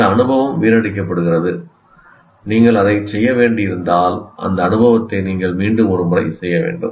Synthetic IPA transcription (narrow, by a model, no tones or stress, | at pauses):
ɐɐnɯbɐʋɐmʋiːɾɐɽɪk̬ːɐpːɐɽɯɣɪrɐðɯ | niːŋɡɐɭɐðɐɪt͡ʃɛjːɐʋeːɳɖɪjɪɾɯnd̪aːlʔɐ̰nd̪ɐːnɯbɐʋɐt̪ːɐɪniːŋɡɐɭmiːɳɖɯmɔɾɯmʊɾɐ̰ɪsɛjːɐʋḛːɳɖɯ̰m